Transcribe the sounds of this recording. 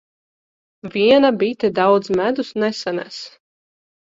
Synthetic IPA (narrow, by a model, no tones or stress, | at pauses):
vʲiɛnabit̪ɛd̪awd̪zmæd̪usnɛsanæ̰s